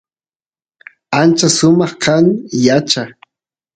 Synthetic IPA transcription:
ant͡ʃasʊmɑχkʰaŋjat͡ʃa

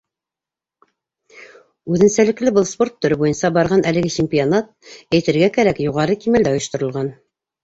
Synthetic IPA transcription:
ʉðɘ̆nsælɘ̆klɘbɤlˠspo̞rt̪ːɵ̆ɾɘbujɤnsɑbɑɾʁɑnʔælɘ̆ɡɘt͡ɕemʲpʲionat̪̚æjt̪ɘ̆ɾɡækæɾækjuʁɑɾɤkimæld̪æŏjŏʃt̪ŏɾɤ̆lˠʁɑn

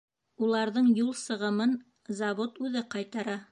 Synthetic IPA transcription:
ulˠɑɾðɤɴjulˠsɤ̆ʁɤ̆mɤn | zɑβot̪ʉðɘqɑjt̪ɑɾɑ

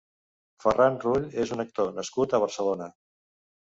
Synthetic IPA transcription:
fərʔanruʎezunək̚t̪onəskut̪əβ̞əɾsəlonə

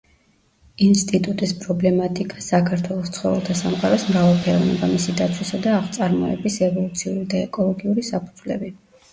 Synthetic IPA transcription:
inst̪ʼit̪ʼut̪ʼispʼɾɔblɛmat̪ʼikʼasakʰaɾt̪ʰwɛlˠɔst̪sʰχɔvɛ̰lˠt̪ʰasamqʼaɾɔsmɾavalˠpʰɛɾɔvnɛ̰bamisid̪at̪sʰwisad̪aːχʰt̪sʼaɾmɔɛ̰bisɛvɔlˠut̪sʰiuɾid̪aɛkʼɔlˠɔɡiuɾisapʰud̪z̥lɛ̰bi

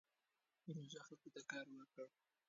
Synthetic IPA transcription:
ɾoʒaxalkot̪akɑɾwəɾkəɽ

